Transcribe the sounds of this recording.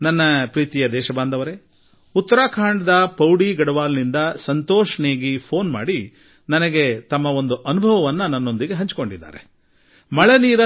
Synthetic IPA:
nɐnːɐpɾiːt̪ijɐd̪ɛːʃɐbaːnd̪ɐʋɐɾe | ut̪ːɐɾaːkʰaːɳɖɐd̪ɐpɐwɽiːɡɐɽɐʋaːlnind̪ɐsɐnt̪oːʂɐneːɡipʰo̞ːnma̰ːɽi | nɐnɐɡe̞t̪ɐmːɐo̞nd̪uʔɐnubʱɐʋɐʋɐnːɐnɐnːo̞nd̪iɡe̞ɦɐɲt͡ʃi̥ko̞ɳɖid̪ːa̰ːɾe | mɐɭeniːɾɐ

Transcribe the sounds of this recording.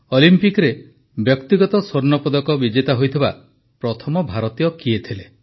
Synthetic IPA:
ɔlimpikɾe | bjɔkt̪iɡɔt̪ɔsoɾnɔpɔd̪ɔkɔbid͡ʒet̪aɦojt̪ʰiba̰ | pɾɔt̪ʰɔmɔbʱaɾɔt̪ijɔkiet̪ʰile

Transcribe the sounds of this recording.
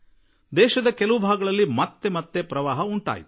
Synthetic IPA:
d̪ɛːʃɐd̪ɐkɛlɐʋubʱaːɡɐɭɐlːimɐt̪ːe̞mɐt̪ːepɾɐʋaːɦɐuɳʈa̰ːjit̪

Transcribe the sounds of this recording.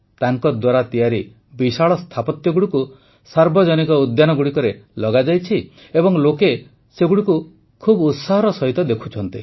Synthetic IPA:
t̪aŋkɔd̪waɾat̪ijaɾi | bisaɭɔst̪ʰapɔt̪jɔɡuɽiku | saɾbɔd͡ʒɔnikɔud̪janɔɡuɽikɔɾelɔɡad͡ʒajt͡ʃʰi | ebɔŋloke | seɡuɽiku | kʰubut̪saɦɔɾɔsɔɦit̪ɔd̪ekʰu̥t͡ʃʰɔnt̪i

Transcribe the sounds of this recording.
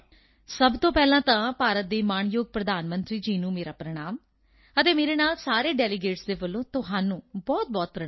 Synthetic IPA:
səbt̪õːpɛːlãːt̪ãːpaːɾət̪̚d̪eːmaːɳjoːɡ̚pɾəd̪aːnmənt̪ɾiːd͡ʒiːnũːmeːɾaːpɾəɽ̃aːm | ət̪eːmeːɾeːnaːlsaːɾeːɖɛːlɪɡeːʈsd̪eːbəlːõːt̪ʊɦaːnũːbɔːt̪̚bɔːt̪̚pɾə

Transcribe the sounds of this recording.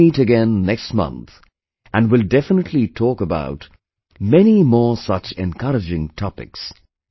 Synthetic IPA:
iɾɨɡɛ̃nːɛkstmʌ̰̃nt̪ | ʔɨ̃nwɪlˠdɛfənətʰˡlitʰɔkəba̰ʊt | mɛnimɔːɹsʌt͡ʃɛ̰̃nkʰʌɾɨd͡ʒɪ̃ŋtʰɑpɪ̰ks

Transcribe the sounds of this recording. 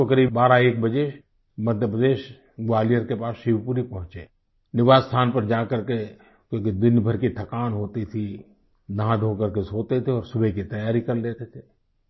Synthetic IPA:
okɐɾiːbbaːɾaeːk̚bɐd͡ʒe | mɐd̪ʱjəpɾəd̪eːʃ | ɡʋaːlijəɾkepaːsʃiwpuːɾipɐɦʊ̃t͡ʃe | nɪʋaːzst̪ʰaːnpɐɾd͡ʒaːkɐɾke | kjõːkid̪ɪnbʱəɾkiʈ̪ʰɐkaːnɦoːt̪it̪ʰi | d̪ãd̪ʱoːkɐɾkesoːt̪et̪ʰeɔːɾsʊbʱekit̪ɐjaːɾikɐɾleːt̪et̪ʰeː

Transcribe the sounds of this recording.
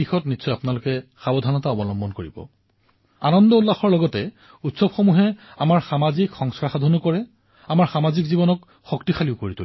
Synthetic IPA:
ixɔtnitsɔjapʊnalʊkɛxabɔdʱanɔtaɔbɔlɔmbɔnkoɹibɔ̰ | anɔndɔulːaxɔɹlɔɡɔtɛ | utsɔbxomuɦɛamaɹxamazikxɔŋskɹaxadʱɔnukɔɹɛ | amaɹxamazikzibɔnɔk | xɔktixaliʊkoɹitul

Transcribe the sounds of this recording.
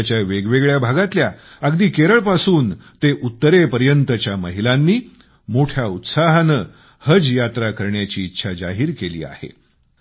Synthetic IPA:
t͡ɕjaʋeɡʋeɡɭjabʱaɡat̪lja | əɡd̪iːkeɾəɭpasuːnt̪eʔut̪ːəɾepəɾjənt̪ət͡ɕjaməɦilanːiː | moʈʰjaut̪saɦnəː | həd͡zjat̪ɾakəɾɳjat͡ɕiːt̪ːɕʰad͡ʑaɦiːɾkelḭːa̰hḛ

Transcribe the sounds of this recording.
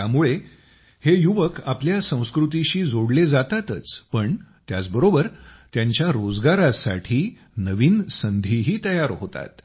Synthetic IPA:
jamuɭe | hejuʋəkapljasə̃w̃skɾut̪̬iɕiːd͡zoɽled͡zat̪at̪ət͡spəɳt̪ja̰t͡sbəɾobəɾt̪jaɲt͡ɕjaɾod͡zɡaɾasa̰ʈʰiː | nəʋiːnsənd̪ʱiɦiːt̪əjaɾɦot̪a̰t̪

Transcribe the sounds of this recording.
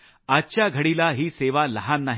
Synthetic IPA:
atːt͡ɕjaɡʱəɽiːlaɦiːseʋaləɦanːaɦ

